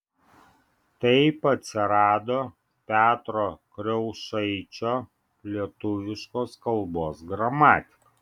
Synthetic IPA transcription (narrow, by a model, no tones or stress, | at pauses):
t̪ɐɪpɐt̪ʲsʲɪɾɑːd̪oː | pʲæːt̪ɾoːkɾʲɛʊʃɐɪt͡ʃʲoː | lʲiɛt̪ʊʋʲɪʃkoːskɐlˠboːsɡɾɐmɑːt̪ʲɪ̥kɐ